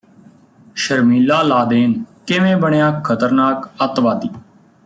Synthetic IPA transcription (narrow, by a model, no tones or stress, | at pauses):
ʃəɾmiːlaːlaːd̪eːnkɪʋẽːbəɳjaːkʰət̪əɾnaːkət̪ʋaːd̪iː